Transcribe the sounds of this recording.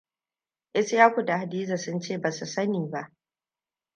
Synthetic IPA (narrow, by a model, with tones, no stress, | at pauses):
ʔɪ˦sjaː˦kʷu˨da˨ha˨diː˦za˨sʊ˦nt͡ʃeː˦˨baː˨su˨sɐ˦niː˨ba˦ʔ